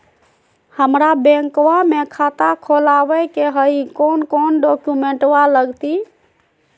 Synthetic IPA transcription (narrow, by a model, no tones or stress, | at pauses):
həmɾabẽŋkwamekʰat̪akʰolawəkeɦəikonkonɖokumeɳʈwaləɡt̪i